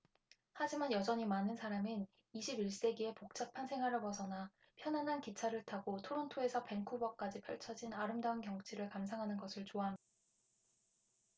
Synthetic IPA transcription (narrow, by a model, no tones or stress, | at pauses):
had͡ʑimanjʌd͡ʑʌɲimanɯnsʰaɾamin | iɕʰibiɭs͈e̞ɡie̞pok̚t͡ɕ͈apʰansʰe̞ŋɦwaɾɯɭpʌsʰʌna | pʰjʌnanɦankit͡ɕʰaɾɯɭtʰaɡotʰoɾontʰoe̞sʰʌpe̞ŋkʰubʌk̚k͈ad͡ʑipʰjʌɭt͡ɕʰʌd͡ʑinaɾɯmdaunkjʌŋt͡ɕʰiɾɯɭkamsʰaŋɦanɯnɡʌsʰɯɭt͡ɕoaɦam